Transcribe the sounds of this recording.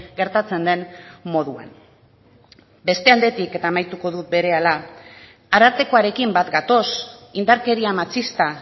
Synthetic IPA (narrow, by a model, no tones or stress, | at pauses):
ɡe̞ɾt̪at͡se̞nd̪e̞nmo̞ð̞ua̰n | be̞st̪e̞ald̪e̞t̪ike̞t̪aːmajt̪uko̞ðut̪̚be̞ɾe̞ala | aɾaɾt̪e̞ko̞aɾe̞kimbat̪ɡat̪o̞sind̪aɾke̞ɾiamat͡sist̪a